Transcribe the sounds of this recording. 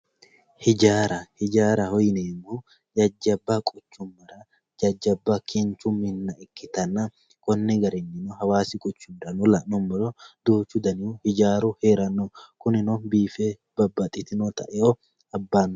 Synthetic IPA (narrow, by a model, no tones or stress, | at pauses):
hɪd͡ʒaːɾɐhɪd͡ʒaːɾɐhɔjneːmːo | d͡ʒɐd͡ʒːɐbːɐkʼʊt͡ʃːʊmːɐɾɐ | d͡ʒɐd͡ʒːɐbːɐkʰɪnt͡ʃʊmɪnːɐɪkːɪt̪ɐnːɐ | kɔnːɛɡɐɾɛnːɪnohɐwaːsɪkʼʊt͡ʃːʊnᶑɐnɔlɐʔnɔmːɔlɔd̪uːt͡ʃːʊd̪ɐnɪuhɪd͡ʒaːɾuheːɾɐnːɔkʊnɪnobiːfe | b̥ɐbːɐt̪ʼɪt̪ɪnot̪ɐʔɛhɔ | ɐbːaːnː